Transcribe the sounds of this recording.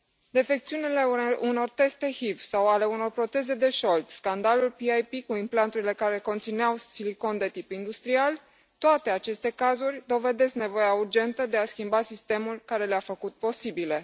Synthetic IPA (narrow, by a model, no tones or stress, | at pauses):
d̪e̞fe̞k̚t̪siunile̞uno̞rt̪e̞st̪e̞hivsawale̞uno̞rpɾo̞t̪e̞ze̞d̪e̞ʃo̞lt̪skand̪alulpiajpikuimplant̪uɾile̞kaɾe̞ko̞nt̪sineawsiliko̞nd̪e̞t̪ipind̪ust̪ɾial | t̪oat̪e̞at͡ʃe̞st̪e̞kazurʲd̪o̞ve̞d̪e̞skne̞vo̞jaurd͡ʒe̞nt̪əd̪e̞askʲimbasist̪e̞mulkaɾe̞leafəkut̪̚po̞sibile̞